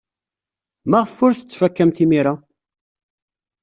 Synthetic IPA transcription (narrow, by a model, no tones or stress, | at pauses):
mæʁəfʊɾθət͡sːfækːæmθimiɾa